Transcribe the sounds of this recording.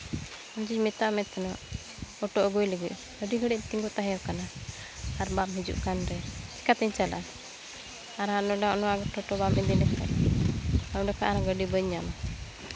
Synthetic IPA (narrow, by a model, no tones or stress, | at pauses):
ɔmd͡ʒiɲmɛt̪aʔmɛt̪ːɛnɔʔ | ɔʈɔʔɔɡujləɡiʔ̚ | əɖiɡəɽɛʔ̚t̪iŋɡɔt̪aɦɛ̃jɔkanaː | ɾbamɦid͡ʒṵʔkanɾɛt͡ʃi̥kat̪ɛɲt͡ʃala̰a | aɾɦanɔɖaɔnɔwaɡɔʈʰɔʈɔbamɛd̪inɛkɛ̰ʔ | aɖɔka̰ʔanaɡəɖibəɲːama